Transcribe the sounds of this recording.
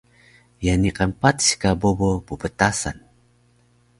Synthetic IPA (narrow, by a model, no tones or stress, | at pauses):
janiqampat̪si̥kabobopubətasa̰n